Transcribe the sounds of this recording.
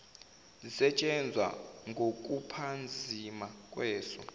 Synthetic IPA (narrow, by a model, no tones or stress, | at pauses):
zisɛt͡ʃʼɛnd͡zʱwa̰ŋɡʱok̬ʼupʰand͡zʱimak̬ʼwɛːsɔ̰